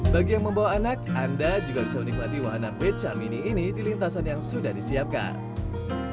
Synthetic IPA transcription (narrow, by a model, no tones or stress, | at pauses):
baɡijaŋməmbawaːnak̚andad͡ʒuɡabisamənik̚mat̪iwaɦanapet͡ʃaminiːnidilint̪asanjaŋsudahdisiap̚ka̰n